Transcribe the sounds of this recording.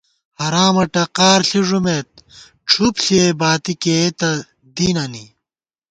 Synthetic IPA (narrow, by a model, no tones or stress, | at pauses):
hɐɾaːmɐʈɐqaːɾɬiʐumet̪̚ | ʈ͡ʂʰupɬiebaːt̪iket̪ɐ | d̪iːnɐni